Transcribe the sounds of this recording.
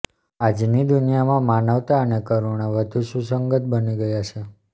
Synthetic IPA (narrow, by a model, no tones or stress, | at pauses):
ad͡ʒnid̪unijamãmanəʋt̪aənekəɾuɳ̃aʋəd̪ʱuʃũsəŋɡət̪̚bəniɡəjat͡ʃʰe